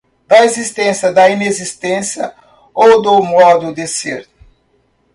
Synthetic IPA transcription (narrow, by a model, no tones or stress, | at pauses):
d̪̥ɐezist̪ẽsjɐd̪ɐinezist̪ẽsjɐ | owd̪ʊmɔd̪ʊd̪eseɾt̪